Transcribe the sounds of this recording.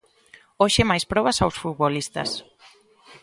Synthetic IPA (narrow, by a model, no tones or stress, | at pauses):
oʃemajspɾɔβasawsfut̪̚βolist̪ɐ̰s